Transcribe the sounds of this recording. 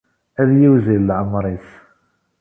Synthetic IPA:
æðjiwzilːʕəmɾˤiθ

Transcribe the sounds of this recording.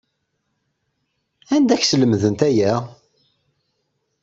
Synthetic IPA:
ænd̪æçsələmðənt̪æjæ

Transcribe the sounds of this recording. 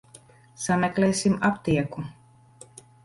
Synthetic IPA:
samʲɛklɛːsimapt̪iɛku

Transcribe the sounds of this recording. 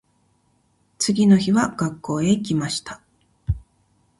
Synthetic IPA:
t͡sɨɡʲino̞çiβaɡ̥akːo̞ːe̞kʲimaɕi̥t̪ḁ

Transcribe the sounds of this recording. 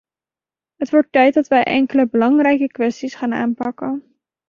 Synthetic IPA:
ɦətʋɔɹtːɛjt̚dɑtʋɛjʔɛ̰ŋkələbəlɑŋrɛjkəkʋɛstisχaːna̰ːnpɑkən

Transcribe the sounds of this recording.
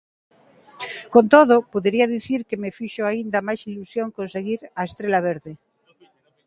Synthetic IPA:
kont̪oð̞opoðeɾiaðiθiɾkemefiʃoaind̪amajsilusjoŋkõnseɣiɾaest̪ɾelaβ̞eɾðe

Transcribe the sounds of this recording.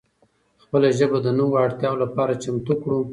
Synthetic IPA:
xpəlaʒəbad̪ənuwaɽt̪jɑwolapɑɾat͡ʃamt̪ukɽu

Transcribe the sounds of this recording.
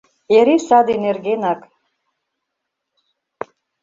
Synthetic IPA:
eɾisad̪enerɡenakʼ

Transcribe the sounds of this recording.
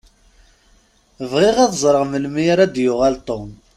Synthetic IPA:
əvʁɪʁæðzˤɾˤəʁməlmiɾæd̪jʊʁalt̪ˤom

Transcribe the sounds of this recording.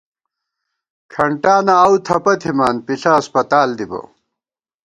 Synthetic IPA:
kʰɐɳʈaːnaːwt̪ʰɐpɐt̪ʰimaːnpiɬɐːspɐt̪aːld̪ibɐ̰

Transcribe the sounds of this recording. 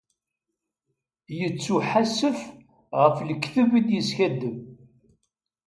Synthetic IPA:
jət͡sːuħasəf | ʁəfləkːθəvid̪jəsçæd̪ːəm

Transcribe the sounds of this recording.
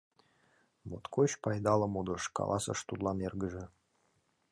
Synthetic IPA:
mot̪kʰoɕpɑjd̪ɑlˠɤ̆mud̪ɤ̆ʃkɑ̰lˠʔˠɑsɤ̰ʃt̪ud̪lˠɑnerɡə̆ʒə̆

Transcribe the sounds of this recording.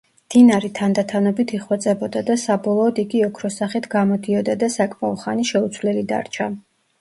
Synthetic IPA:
d̪̥inaɾit̪ʰand̪at̪ʰanɔbit̪ʰiχwɛt̪sʼɛbɔd̪ad̪asabɔlˠɔːd̪iɡiɔkʰɾɔsaχit̪ʰɡamɔd̪iɔd̪ad̪asakʼmaɔχaniʃɛut̪sʰvlɛlid̪a̰ɾt͡ʃʰa

